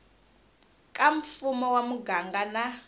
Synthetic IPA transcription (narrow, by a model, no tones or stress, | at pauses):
kʼaɱ̩fumɔwamuɡaŋɡana